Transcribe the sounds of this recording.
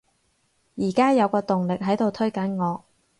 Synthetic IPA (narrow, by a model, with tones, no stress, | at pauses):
jiː˨˩kaː˥jɐ˨˧wkɔː˧t̪ʊ˨ŋlɪ˨k̚ɦɐ˨˥jt̪o˨wt̪ʰɵ˥ɥkɐ˨˥nŋɔː˨˧